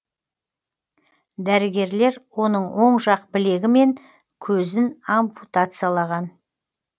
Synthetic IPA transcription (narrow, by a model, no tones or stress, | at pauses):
d̪æɾɪɡʲe̞ɾle̞ɾwo̞nəɴwo̞ɴʃɑqbɪle̞ɡʲɪme̞ŋ | kʲʰɵzɪnomput̪at̪sɨjalˠɑʁɑn